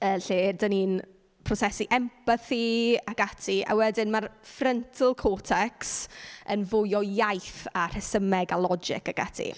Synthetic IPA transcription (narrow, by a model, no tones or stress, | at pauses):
əːɬeːrdənin | pʰrɔsɛsiʔɛmpaθiaɡatʰia̰wɛdɪnmarfrəntʰəlˠkʰoːtʰɛksənvʊjɔjajθar̥ɛsəmɛɡalˠɔd͡ʒɪ̰kaɡ̥a̰tʰḭ